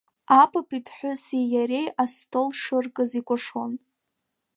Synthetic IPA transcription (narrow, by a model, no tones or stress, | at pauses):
apʰʼɨpʰipʰħʷᶣʊsijaɾe̞jʔastʰʼolʂɨrkʼɨzikʷʼʊʂwon